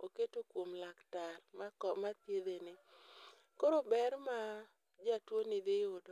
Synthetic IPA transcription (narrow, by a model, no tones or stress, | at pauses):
oketokwomlaktarmakɔmat̪jed̪enɪ | koɾobɛrma | d͡ʒatwonɪd̪ejod